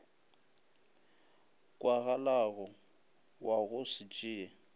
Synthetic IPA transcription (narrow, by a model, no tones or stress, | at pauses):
kʼwaɣalaɣɔ | waɣʊsɪt͡ʃʼɪːa